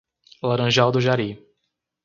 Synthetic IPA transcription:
laɾɐ̃ʒawd̪ʊʒaɾi

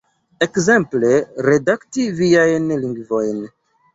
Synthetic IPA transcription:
ekze̞mpleɾe̞daktiviajnliŋɡvo̞jn

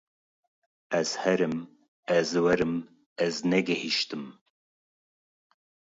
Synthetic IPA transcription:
ɛz̥hɛɾɨm | ɛzwɛɾɨm | ɛznɛɡɛhiʃt̪ɨm

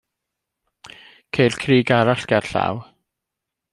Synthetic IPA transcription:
kʰejlkʰriːɡaɾaɬɡ̥arɬa̰w

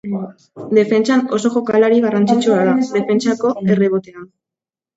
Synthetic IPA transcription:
d̪e̞fe̞nt͡sano̞so̞ʝo̞kalaɾiɣarant͡sit͡ʃuaðad̪e̞fe̞nt͡sako̞e̞reβot̪ea

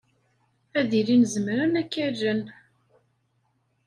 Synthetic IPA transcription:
æðilinzəmɾənækːæʒən

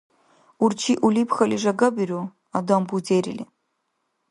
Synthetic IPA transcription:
urt͡ʃʰiʔulipʰxɐliʐɐɡɐbiru | adambud͡zeɾili

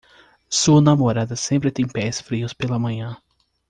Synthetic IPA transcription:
suɐnamoɾad̪ɐsẽmpɾɪt̪ẽj̃pɛsfɾiʊspelɐmɐ̃ɲɐ̃

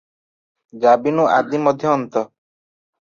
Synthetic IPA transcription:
d͡ʒabinuʔad̪imɔd̪ʱjɔːnt̪ɔ

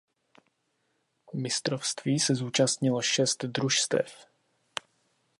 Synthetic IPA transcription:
mɪst̪ɾofst̪viːsɛzuːt͡ʃast̪ɲɪloʃɛst̪d̪ɾuʃst̪ɛ̰f

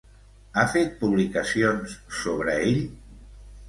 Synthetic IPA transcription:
afet̪̚puβlikəsionsːoβ̞ɾəeʎ

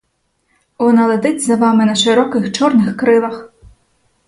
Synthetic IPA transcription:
ɔnɐlˠɐd̪ɪt͡sʲzɐʋamɨnɐʃɪɾɔkɪxt͡ʃɔrnɪxkɾɪlˠɐx

